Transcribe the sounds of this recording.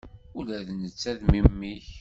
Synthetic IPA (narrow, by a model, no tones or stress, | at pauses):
ʊlæðnət͡sːæðmimːiç